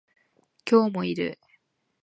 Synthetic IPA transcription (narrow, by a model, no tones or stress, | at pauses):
kʲo̞ːmo̞iɾɯ̰